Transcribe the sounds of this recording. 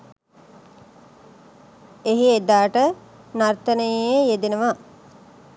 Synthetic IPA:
eɦied̪aːʈə | nart̪ənəjjejed̪inəʋa

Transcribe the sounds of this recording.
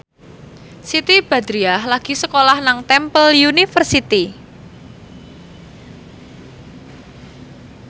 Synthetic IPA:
sit̪ib̥a̤d̪ɾiahlaɡ̥i̤səkolahnaŋt̪ɛmpəljunifərsit̪i

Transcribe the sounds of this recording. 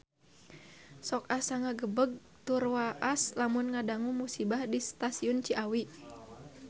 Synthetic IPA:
sɔkasaŋaɡəbəɡ̚ | t̪urwaʔaslamʊnŋadaŋumusibahdist̪asiʊnt͡ʃiʔawi

